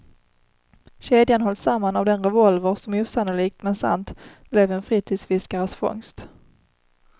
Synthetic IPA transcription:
ɕeːd̪janɦɔld̪samːanavd̪ɛnɾɛvɔlvəɾsɔmɛuːsanʊliːk̚t̪mɛnsa̰nt̪b̥lɛvɛnfɾiːt̪ʰiːd̪sfɪskaɾəsfɔ̰ŋst̪

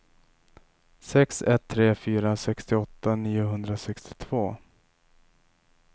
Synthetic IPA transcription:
sɛksɛt̪ʰːɾeːfyːɾasɛkst̪ɪɔt̪ʰːaniːʊɦɵnd̪ɾasɛkst̪ɪ̥t̪ʰv̥oː

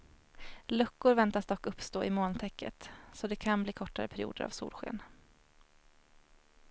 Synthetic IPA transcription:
lɵkːʊɾvɛnt̪asd̪ɔkːɵpst̪oːʔɪmoːnt̪ʰɛkːə̰t̪sɔd̪ɛkʰanbliːkʰɔʈːaɾəpʰæɾɪṵːd̪əɾa̰vsṵːlɧḛːn

